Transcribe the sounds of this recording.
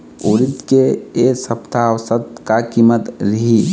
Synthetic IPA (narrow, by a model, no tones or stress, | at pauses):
oːɾit̪keesəpt̪awsət̪kakimət̪ɾəɦi